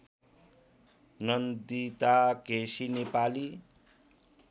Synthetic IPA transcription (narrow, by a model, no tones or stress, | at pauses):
nʌnd̪it̪akesinepali